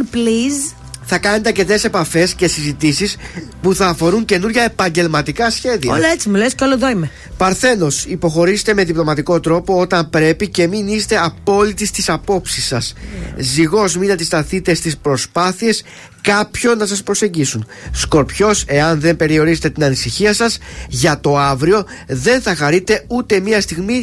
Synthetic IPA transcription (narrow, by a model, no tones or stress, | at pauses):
pliz | θɐkɐne̞t̪e̞ɐɾce̞t̪e̞se̞pɐfe̞sce̞sizit̪isispuθɐːfo̞ɾuŋce̞nuɾʝɐe̞pɐɲɟe̞lmɐt̪ikɐsçe̞ðiɐolet͡simulescoloðoime | pɐɾθe̞no̞sipo̞xo̞ɾise̥t̪e̞me̞ðiplo̞mɐt̪iko̞t̪ɾo̞po̞ot̪ɐmpɾe̞pice̞minist̪e̞ɐpo̞lit̪ist̪isɐpo̞psisːɐsziɣo̞zminɐd̪ist̪ɐθit̪e̞st̪ispɾo̞spɐθie̞s | kɐpço̞nːɐs̬ɐspɾo̞se̞ɲɟisun | sko̞ɾpço̞se̞ɐnðe̞mpe̞ɾio̞ɾizet̪et̪inɐnisiçiɐsɐzʝɐt̪o̞ɐvɾio̞ | ðe̞nθɐxɐɾit̪e̞ut̪e̞miɐst̪iɣmi